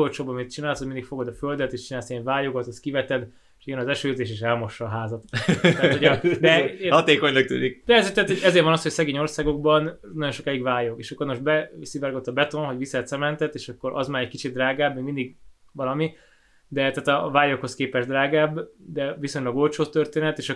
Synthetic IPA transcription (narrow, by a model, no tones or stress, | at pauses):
olt͡ʃoːbɒmit̪̚t͡ʃinaːlsoɟmind̪ikfo̞ɡod̪ɒføld̪ɛt̪eːʃt͡ʃinaːlsɛɱvaːjoɡot̪oskivɛt̪ɛd̪ | e̥ʃiɛnɒzɛʃøːzeːʃeːʃɛlmo̞ʃːɒːɦaːzɒt̪t̪aːt̪od̪ɛhɒt̪eːkoɲlɒk̚t̪y̰ːd̪ik̚d̪ɛɛzt̪ɛaːt̪hoɟɛzeːɾvɒnɒsho̞csɛɡeːɲo̞rsaːɡo̞ɡ̚bɒn | nɒɟo̞nʃo̞kɛjiɡvaːjokeːʃɒkːo̞rnmoʃbɛsivaɾɡot̪ːɒbɛt̪onɦo̞ɟvisɛt̪sɛmɛnt̪ɛt̪eːʃɒkːo̞ɾʔɒ̰zmaːɾɛc̚kit͡ʃit̪̚ːraːɡaːbmeːɡmind̪iɡ | vɒlɒmi | d̪ɛt̪aːt̪ɒvaːjokhoskeːpɛʒd̪raːɡaːbd̪ɛviso̞ɲlɒɡo̞lt͡ʃoːt̪ːørt̪eːnɛt̪eːʃ